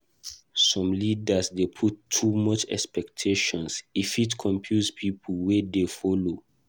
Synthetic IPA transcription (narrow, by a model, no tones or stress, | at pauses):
sɔ̃mlidasdepʰutʰːumɔt͡ʃɛ̰kspɛktʰeʃɔ̃nsifitkʰɔ̃mpʰjuspʰipʰlwɛdefɔlo